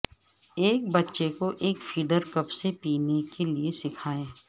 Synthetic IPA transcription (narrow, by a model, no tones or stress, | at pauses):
eːk̚bɐtːʃekoʔeːkfiːɖəɾkɐpsepiːnekeliesɪkʰaːẽː